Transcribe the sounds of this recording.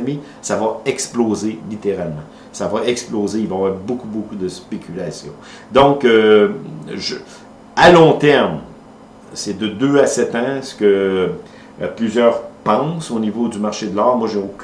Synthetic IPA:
mi | savaɛksploːzelit̪eʁalmɑ̃ | savaɛksploːzeilvɔ̃avwɛːʁbokubokud̪əspekʲʰylasjɔ̰̃ | d̪ɔ̃kø | ʒə | alɔ̃t̪ɛʁm | sɛd̪əd̪øasɛt̪ɑ̃sə̥kə | plyzjœːʁpɑ̃sonivod̪ymaʁʃed̪əlɑːʁmwaʒeokʲ

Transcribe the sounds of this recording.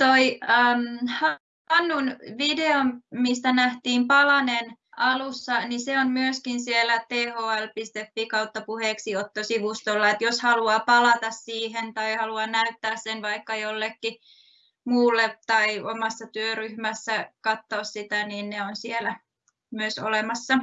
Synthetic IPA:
t̪oiəːmhɑ | ɑnːunʋideommist̪ænæht̪iːmpɑlɑnenɑlusːɑniseonmyøskinsielːæt̪eːhoːælpist̪efːikɑut̪ːɑpuheːksiot̪ːosiʋust̪olːɑet̪joshɑluɑːpɑlɑt̪ɑssiːhent̪ɑihɑluɑnæyt̪ːæːssenʋɑikːɑjolːekːi | muːlːet̪ɑiomɑsːɑt̪yøryhmæsːækɑt̪ːoːssit̪æniːnneonsielæ | myøso̰lemɑsːɑ

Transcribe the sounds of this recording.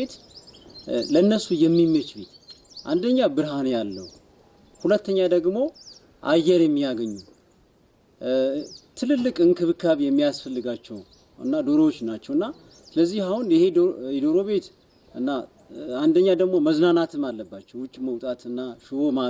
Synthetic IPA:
et̪ | ləɨnːəsujɛmːimːət͡ʃbe̞t̪ | ʔa̰nd̪əɲːabɨɾɦanjalːəw | hulət̪ːəɲːad̪əɡmo̞ | ʔa̰jːɛɾjɛmːijaɡəɲːu | t̪ʰɨlɨlːɨkʼɨŋkʰɨβɨkʰəβjɛmːijasfəlːɨɡat͡ʃːɛw | ɨ̰nːad̪o̞ɾowot͡ʃːnat͡ʃːɛwɨnːa | sɨləzːihahunɪhe̞ɛd̪oɾo̞βe̞t̪ | ɨnːa | and̪əɲːad̪əɡmo̞məznanat̪ʰɨmalːəbːat͡ʃːɛwwʊt͡ʃʼːməwt̪ʼat̪ɨnːaʃɪoma

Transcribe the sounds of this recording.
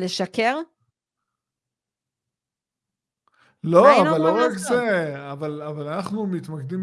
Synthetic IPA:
leʃake̞ʁ | loavalːoʁakzeavalavalanaχnumit̪makd̪im

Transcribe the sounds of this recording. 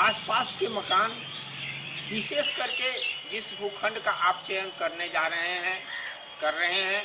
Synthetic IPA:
aːspaːskeməkaːn | ʋɪseːskəɾked͡ʒɪsbʱukʰə̃ɳɖkaʔaːp̚t͡ʃejənkɐɾned͡ʒaːɾəɦeɦɛ̃ | kəɾːəɦeɦɛ̃

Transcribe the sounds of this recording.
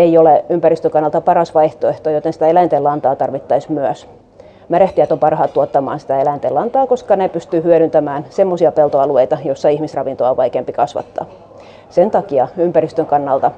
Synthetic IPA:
eijoleympæɾrist̪øŋkɑnːɑlt̪ɑpɑɾɑsʋɑiht̪oeht̪oːjot̪ensi̥t̪æelæint̪elɑnt̪ɑːt̪ɑrʋit̪ːɑismyøs | mæɾeht̪iæt̪ompɑrhɑːt̪t̪uot̪ːɑmɑ̰ːnsi̥t̪æelæint̪elɑnt̪ɑːkoskɑnepyst̪yhyøɾynt̪æmæːnsemːosiɑpelt̪oɑlueit̪ɑjosːɑihmisrɑʋint̪oɑoʋɑikeːmpikɑsʋɑ̰t̪ːɑ̰ː | sent̪ɑkiɑympærist̪øŋkɑnːɑlt̪ɑ

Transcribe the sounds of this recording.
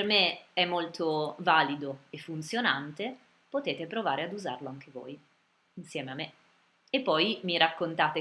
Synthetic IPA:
ermeɛmːolt̪ovaːlid̪oefːunt̪sjonant̪e | pot̪eːt̪epɾovaːɾead̪uza̰rloaŋk̟evo̰ːj | insjɛːmeamːe | epːɔjmiɾakːont̪aːt̪e

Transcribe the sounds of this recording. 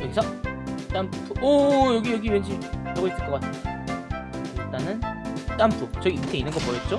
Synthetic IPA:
jʌɡisʰʌt͈amppʰuʌjʌɡijʌɡiwend͡ʑʰiiaɡʌis͈ɯɭk͈ʌk͈atʰɯndeo | ɡet͈anɯnt͈ampʰut͡ɕʌiːutʰeinːɯnŋɡʌpoet̚t͡ɕ͈o

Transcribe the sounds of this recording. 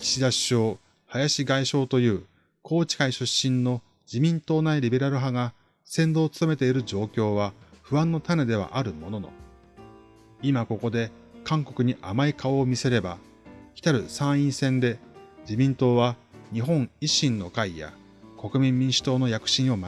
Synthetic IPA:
i̥ɕid̪aɕo̞ː | hajaɕiɡaiɕo̞ːt̪o̞jɯ̟ː | kʰo̞ːt͡ɕi̥kaiɕɨɕːĩnːo̞ | d͡ʑimʲĩnt̪o̞ːnaiɾʲibe̞ɾaɾɯ̟ɦaɡa | sẽ̞nd̪o̞ːt͡sɨ̥t̪ome̞t̪eiɾɯ̟d͡ʑo̞ːkʲo̞ːβaɸɯ̟βãnːo̞t̪ane̞d̪e̞β̞a̰ʔaɾɯ̟mo̞no̞no̞̰ | imako̞ko̞d̪e̞ | kãŋko̞kɯ̟ɲ̟iʔamaikʰao̞ːmʲise̞ɾe̞ba̰ | çʲi̥t̪aɾɯ̟sãɰ̃ĩɰ̃sẽ̞nd̪e̞d͡ʑimʲĩnt̪o̞ːβaɲ̟iɦõ̞ɴ̃iɕĩnːo̞kaija̰ | ko̞kɯ̟mʲĩmːʲĩɰ̃ɕi̥t̪o̞ːno̞jakɯ̟̥ɕĩɰ̃o̞ma

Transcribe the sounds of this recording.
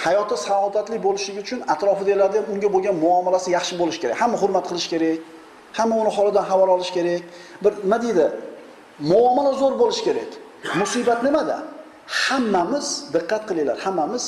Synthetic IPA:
hajɒt̪ʰɪsalɔd̪at̪lɪbolɪʃlɪɡʲɪʊt͡ʃʰʊnat̪ɾɒfɪd̪ajlaɾd̪ajamʊŋɡʲaboɡʲanmʊɒmɪlasɪjɑχʃɪbolɪʃkʲeɾa̰kʲhamːaɦʊɾmat̪̚qʰɨlˠɪʃkʲʰe̞ɾakʲ | hamːaʊnɪɦɒlˠɪd̪anɦavaɾɒlˠɪʃkʲʰe̞ɾakʲ | bɪɾnɪmad̪ejd̪ɪ | mʊɒmɪlazoɾbolɪʃkʲʰeɾa̰kʲ | mʊsibat̪nɪmad̪a̰ | hamːamɪz̥d̪ɨqːɑt̪̚qʰɨlˠajla̰ɾhamːamɪz̥

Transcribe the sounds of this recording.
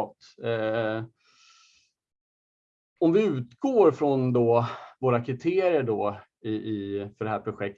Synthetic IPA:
t̪ | ɔmvɪʉ̟ːt̪ɡoːɾfɾɔnd̪ɔvoːɾakʰɾɪt̪ʰeːɾɪəɖɔ | ɪʔɪfœɖɛɦæːɾpʰɾʊɧɛk̪̚

